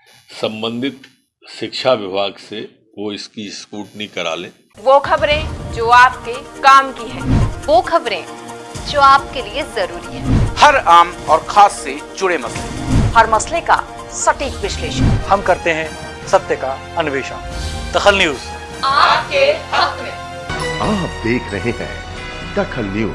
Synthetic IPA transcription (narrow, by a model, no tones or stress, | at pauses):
sɐ̃mbə̃nd̪ʱɪt̪̚ | ʃɪkʃʰaʋɪbʱaːɡse | ʋoɪskiskuːʈnĩkɐɾa̰ːlḛ̃ː | ʋoːkʰɐbɾẽd͡ʒoːaːp̚kekaːmkiɦɛ̃ːʋoːkʰɐbɾẽd͡ʒoːaːp̚keliezɐɾuːɾiɦɛ̃ːhɐɾaːmɔːɾxʰaːsːed͡ʒʊɽemɐslḛhɐɾmɐsleka̰ | sɐʈiːkʋɪʃleːʃənhɐmkɐɾt̪eɦɛ̃ | sɐb̚t̪jəka | ɐnʊʋeːʃənd̪ɐxəlnjuːz | aːp̚kehɐkmẽ | aːp̚d̪eːkʰɾɐɦẽɦɛ̰̃ː | t̪ɐkʰəlnjuː